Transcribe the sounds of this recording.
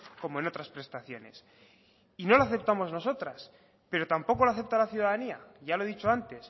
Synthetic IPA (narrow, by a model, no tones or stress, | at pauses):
ko̞mo̞e̞no̞t̪ɾaspɾe̞st̪aθjo̞ne̞̰s | ino̞laθe̞p̚t̪amo̞zno̞so̞t̪ɾas | pe̞ɾo̞t̪ampo̞ko̞laθe̞p̚t̪alaθjuðaðaniaʝalo̞ðit͡ʃo̞ant̪e̞s